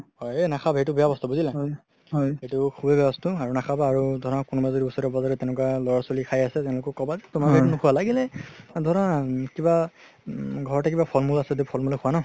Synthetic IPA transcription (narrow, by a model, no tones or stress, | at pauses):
hɔjenakʰabʱet̬ʊbɛjabɔstɔbuzila | ɦetukʰubʱɛbɛjabɔstuaɹunakʰabaːɹudʱɔɹɔakunubazodiusɔɾɔbɔzaɹɛtɛnɛkwalɔɹɔsolikʰajasɛtɛʊ̃lʊkɔkɔbazɛtumabʱenʊkʰuwalaɡilɛdʱɔɔnakiba | ɡʱɔɹɔtak̬ibapʰɔlmulasɛdepʰɔlmulɛkʰʊwanɔ